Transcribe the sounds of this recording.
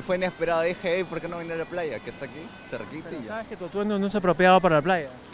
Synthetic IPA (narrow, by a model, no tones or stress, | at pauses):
fweinespeɾaðoðixeejpoɾkenoβjenealaplaʝakest̪akiserekit̪eʝaesket̪ot̪wenonos̬apɾopjaβap̬aɾalaplaʝa